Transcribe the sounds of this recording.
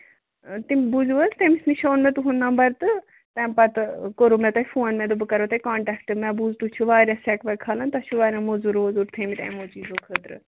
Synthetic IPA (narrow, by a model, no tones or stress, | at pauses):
t̪imbuzuʋɐzt̪emisniʃoːnmẽt̪uɦund̪ãːmbɐɾt̪ɨ | t̪ɛ̃ːmpɐt̪koɾoːmɛ̃t̪ɐifʰoːnmɛ̃d̪ubɨkɐɾoːt̪ɐikaːɳʈɛːkʈɨmɛ̃buzt̪ut͡ʃʰuʋaːɾʲjãsɛkʋɐkʰaːlãnt̪ɐt͡ʃʰuʋaːɾʲjãːmozuɾʋoːzuɾt̪ʰeːmit̪ɐ̰̃ːmoːt͡ʃiːzõːkʰəːt̪ɾɨ̰